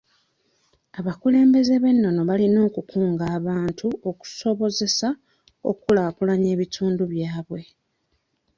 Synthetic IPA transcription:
aβakule̞ːmbe̞ze̞βe̞nːo̞no̞βalino̞ːkukʰuːŋɡaːβaːntʰuo̞ku̥so̞βo̞ze̞sa | o̞̰kulaːkulaɲe̞ːβitʰuːnduβjaːβwe̞

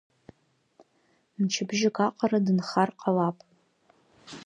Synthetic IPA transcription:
mt͡ʃʰɪbʒɪkʼaqʼaradɨnχarqʼalapʼ

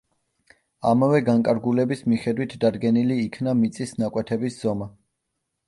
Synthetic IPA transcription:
amavɛɡaŋkʼaɾɡulɛbismiχɛd̪wit̪ʰd̪ad̪ɡɛniliːkʰnamit̪sʼisnakʼwɛt̪ʰɛbisz̥ɔma

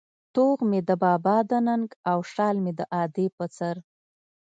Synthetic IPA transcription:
t̪oɣmed̪əbɑbɑd̪ənəŋɡawʂɑlmed̪əʔɑd̪epət͡səɾ

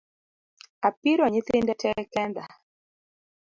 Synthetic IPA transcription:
apiɾɔɲiθɪndɛtʰɛkɛnd̪a

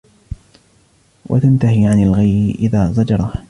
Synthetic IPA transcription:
wʔa̰t̪ant̪aɦiːʕanalɣajɪʔɪðaːzˤɑd͡ʒɑɾˤɑ

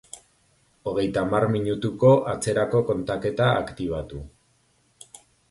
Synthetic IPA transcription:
o̞ɣ̞e̞jt̪aːmarmiɲut̪uko̞ʔat͡se̞ɾako̞ko̞nt̪ake̞t̪aːkt̪iβ̞at̪u

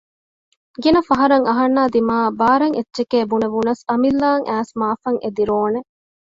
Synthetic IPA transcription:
ɡinɐfɐɦɐɾɐŋɐɦɐnːaːd̪imaːbaːɾɐŋʔetːʃekeːbuneʋunɐsɐmilːaːŋʔæːsmaːfɐŋʔed̪iɾoːne

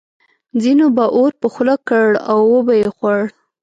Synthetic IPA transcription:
d͡zinobaʔoɾpəxlakəɽawːəbajexwaɽ

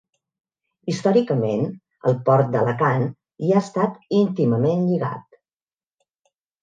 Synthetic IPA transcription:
ist̪ɔɾikəmen | ə̰lˠpɔɾt̪̚d̪ələkan | iaəst̪at̪int̪iməmenʎiɣa̰t̪̚

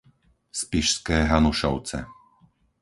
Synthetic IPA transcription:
spiʃskɛːɦanuʃɔʊt͡sɛ̰

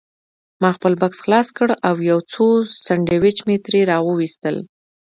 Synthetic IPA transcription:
mɑxpəlbaksxlɑskəɽawjawt͡sosaɳɖewɪt͡ʃmet̪ɾeɾɑwəwist̪əl

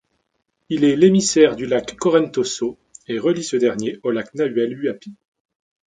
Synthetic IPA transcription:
ilɛlemisɛʁd̪ylakːɔʁɛnt̪oso | eʁəlisəd̪ɛʁnjeolaknaɥɛlyapi̥

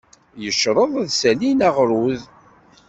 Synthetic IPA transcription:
jəʃɾˤəðˤæðsælinaʁɾˤuð

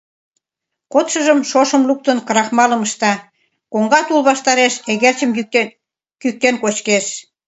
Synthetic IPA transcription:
kot̪ʃə̆ʒə̆mʃoʃə̆mluk̚t̪ə̆nkɤɾɑxmɑlə̆məʃt̪ɑ | koŋɡɑt̪ulβɑʃt̪ɑɾeʃeɣert͡ɕəm | kyk̚t̪enkot͡ɕkeʃ

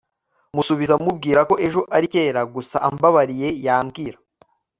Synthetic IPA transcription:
musuβizamub̚ɡiːɾako̞ʔe̞ʒo̞ʔaɾike̞ːɾaɡusa̰ʔa̰mbaβaɾije̞jaːmɡiːɾa

